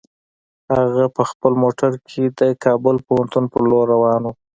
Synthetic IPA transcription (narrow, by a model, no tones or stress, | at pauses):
haɣapəxpəlmoʈaɾkʰed̪əkʰɑbʊlpohant̪unpəɾloɾːawɑnu